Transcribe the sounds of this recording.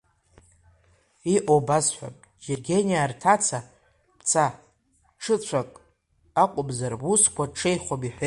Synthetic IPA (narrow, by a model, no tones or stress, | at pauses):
iʔobazħʷᶣa̰pʼ | d͡ʒerɡʲenijartʰat͡sʰa | pʰt͡sʰa | ʈ͡ʂʰɨt͡ɕʷʰakʼ | aqʷʼʊbzarbuskʷʰaʈ͡ʂʰe̞jχʷobiħʷe